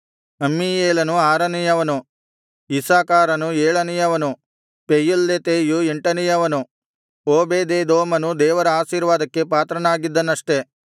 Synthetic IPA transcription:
ɐmːijeːlɐnuaːɾɐnijɐʋɐnu | isaːkaːɾɐnueːɭɐnijɐʋɐnu | pejulːet̪eːjueɳʈɐnijɐʋɐnu | oːbeːd̪eːd̪oːmɐnud̪ɛːʋɐɾɐaːʃiːɾʋaːd̪ɐkːe̞paːt̪ɾɐnaːɡid̪ːɐnːɐʂʈe̞

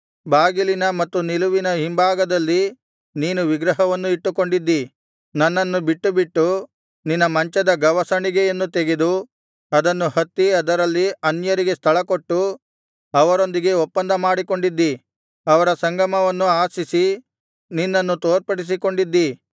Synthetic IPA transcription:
baːɡilinɐmɐt̪ːuniluʋinɐɦimbaːɡɐd̪ɐlːi | niːnuʋiɡɾɐɦɐʋɐnːuiʈːuko̞ɳɖid̪ːi | nɐnːɐnːubiʈːubiʈːu | ninːɐmɐɲt͡ʃɐd̪ɐɡɐʋɐsɐɳiɡejenːut̪eɡed̪u | ɐd̪ɐnːuhɐt̪ːiɐd̪ɐɾɐlːiɐnjɐɾiɡe̞st̪ʰɐɭɐko̞ʈːu | ɐʋɐɾo̞nd̪iɡe̞ɔpːɐnd̪ɐmaːɽiko̞ɳɖid̪ːi | ɐʋɐɾɐsɐŋɡɐmɐʋɐnːuaːsisi | ninːɐnːut̪oːɾpɐɽis̬iko̞ɳɖid̪ːi

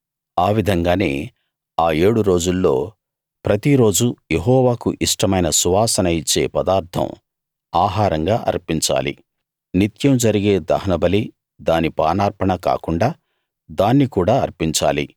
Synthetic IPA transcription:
aːʋid̪ʱɐŋɡaːne̞̰ː | aːe̞ːɽuɾo̞ːd͡ʒulːo̞̰ː | pɾɐt̪iɾo̞ːd͡ʒujeɦɔːʋaːkuʔiʂʈɐmɐjnɐsuʋaːsɐnɐjit͡ʃːe̞̰ːpɐd̪aːɾt̪ʰɐ̰m | aːɦaːɾɐŋɡaːʔɐ̰ɾpiɲt͡ʃa̰ːlḭ | nit̪jɐmd͡ʒɐɾiɡe̞ːd̪ɐ̰ɦɐnɐbɐli | d̪aːnipa̰ːnaːɾpɐɳɐka̰ːkuɳɖaː | d̪aːnːikuːɽaːɐ̰ɾpiɲt͡ʃa̰ːlḭ

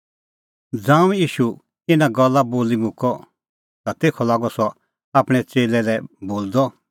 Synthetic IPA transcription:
d͡zãːũjiːʃu | ɪnaɡɔlːaboːlimʊ̃kɔ | t̪at̪eːkʰɔlaːɡɔsɔ | aːpɽ̃ɛt͡seːlɛlɛboːld̪ɔ

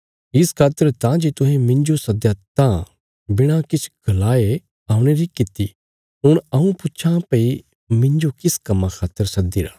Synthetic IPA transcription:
ɪskʰaːt̪ːəɾt̪ãd͡ʒet̪ʊɦẽmɪ̃nd͡ʒosɐd̪jat̪ã | bɪɽ̃ãkɪt͡ʃʰɡʱɐlaːe | aːʊɽ̃eɾikɪt̪ːi | ɦʊɽ̃ɐũpʊtːt͡ʃʰãpɐi | mɪ̃ɲd͡ʒokɪskɐmːãkʰaːt̪ːəɾsɐd̪iɾaː

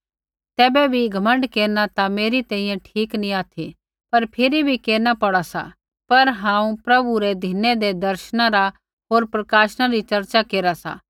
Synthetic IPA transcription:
t̪ɛːbɛbʱiɡʱɐmə̃ɳɖkeːɾnat̪ameːɾit̪ɛ̃ːĩjɛ̃ʈʰiːknĩaːt̪ʰi | pɐɾpʰɪɾibʱikeːnapɐɽasa̰ | pɐɾɦãːũpɾɐbuɾɛd̪ʱɪnɛd̪ed̪ɐɾʃnãɾa | ɦoːɾpɾɐkaːʃnãɾit͡ʃɐɾt͡ʃakeːɾasa̰

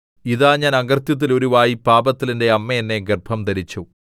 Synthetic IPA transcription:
iðaːɲaːnɐɡɐrt̪jɐt̪̬ːilo̞ɾuʋaːjipaːbɐt̪ːilinde̞ɐmːɐjenːe̞ɡerbʱɐmd̪ɐɾit͡ɕːu

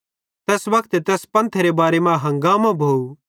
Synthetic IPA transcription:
t̪ɛːsʋɐkʰt̪t̪ɛːspɐ̃nt̪ʰɾebaːɾemãɦɐ̃ŋɡaːmãbʱoːu

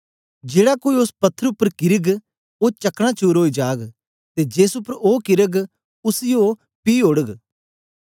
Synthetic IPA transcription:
d͡ʒeːɽakoːiʊspɐt̪ʰːəɾʊpːəɾkɪɾəɡ | oːt͡ʃɐkɽ̃ãːt͡ʃuːɾɦoːiːd͡ʒaːɡ | t̪eːd͡ʒeːsʊpːəɾoːkɪɾəɡ | ʊsijoː | piːɦoɽəɡ

